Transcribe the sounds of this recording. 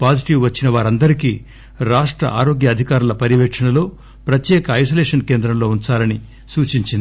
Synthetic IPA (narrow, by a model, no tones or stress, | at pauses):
paːd͡ʒiʈiʋʋɐt͡ʃːinɐʋaːɾɐnd̪ɐɾiki | ɾaːʂʈɾɐ̰ʔa̰ːɾo̞ːɡjɐːd̪ʱikaːɾulɐpɐɾiʋekʂɐɳɐlo̞ː | pɾɐt̪jɛːkɐɐjs̬oːleːʂɐnke̞ːnd̪ɾɐmlo̞ːuɲt͡ʃaːlɐni | suːt͡ʃiɲt͡ʃind̪ii